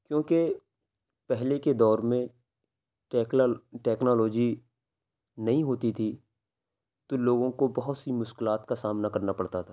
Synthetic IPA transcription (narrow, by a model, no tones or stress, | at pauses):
kjõːke | pɛɦleked̪ɔːɾmẽ | ʈɛːknɔːlɔːd͡ʒi | nɐɦĩɦoːt̪it̪ʰi | t̪oloːɡõkobɐɦʊt̪simʊʃkɪlaːt̪kasaːmnakɐɾnapɐɽt̪at̪ʰaː